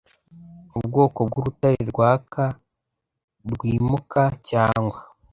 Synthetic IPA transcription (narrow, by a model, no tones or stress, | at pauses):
ubɡo̞ːko̞b̚ɡuɾutaɾiɾɡwaːkʰa | ɾɡwiːmukʰacaːŋɡwa